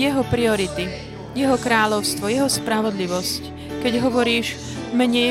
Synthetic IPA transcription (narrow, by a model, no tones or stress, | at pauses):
ɛɦɔpɾiɔɾit̪i | jɛɦɔkɾaːʎɔʊst̪ʋɔjɛɦɔspɾaʋɔd̪liʋɔsc | kɛɟɦɔʋɔɾiːʒ | mɛɲɛ